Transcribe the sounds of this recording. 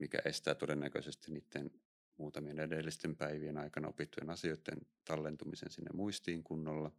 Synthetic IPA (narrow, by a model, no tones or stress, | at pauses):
mikæ̰ʔest̪æːt̪odenːækøsest̪inniːt̪ːen | muːt̪ɑmienedelːist̪empæiʋienɑikɑnɑopit̪ːujenɑsioit̪ːḛnt̪ɑlːent̪umisḛnsinːḛmuist̪iːŋkunːolːɑ